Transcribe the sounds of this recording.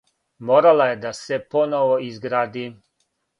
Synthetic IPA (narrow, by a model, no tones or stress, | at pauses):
moːɾalajed̪aseponoʋoizɡɾaːd̪iː